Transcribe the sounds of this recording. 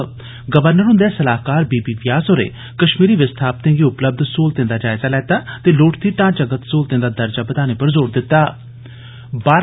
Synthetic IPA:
ɡəʋəɾnəɾɦʊ̃nd̪ɛːsəlaːɦkaːɾbiːbiːʋjaːsoːɾḛː | kəʃmiːɾiːʋɪst̪ʰaːp̚t̪ẽːɡiːʊpləb̚d̪ʱsoːlt̪ẽːnd̪aːd͡ʒaːɪzaːlɛːt̪aːt̪eːloːʈʰt̪iːʈãːt͡ʃəɡət̪soːlt̪ẽːnd̪aːd̪əɾd͡ʒaːbəd̪aːneːpəɾzoːɾd̪ɪt̪ːaː | baːɾ

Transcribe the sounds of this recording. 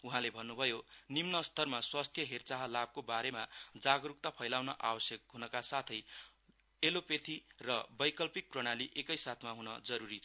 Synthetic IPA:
uɦãlebʱʌnːubʱʌjonimnʌst̪ʌrmaswast̪ʰjʌɦert͡saɦʌlab̚kobaɾemad͡zaɡɾuk̚t̪ʌpʰʌjlawnʌʔa̰bʌsjʌkɦunʌkasat̪ʰʌj | elopet̪ʰirʌbʌjkʌlpik̚prʌɽ̃aliʔekʌjsat̪ʰmaɦunʌd͡zʌɾuɾit͡sʰʌ

